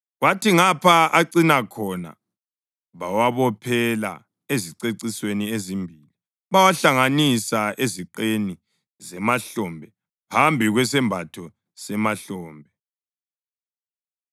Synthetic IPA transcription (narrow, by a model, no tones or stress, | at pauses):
ɣwatiŋapʰaaǀinakʰɔna̰ | βawaβɔpʰɛla̰ | eziǀeǀisweniezimbʱiːli | βawaɬaŋanisaʔeziǃeni | zɛmaɬɔmbʱɛ | pʰambʱiɣwɛsɛmbʱatʰɔ | sɛmaɬɔːmbʱɛ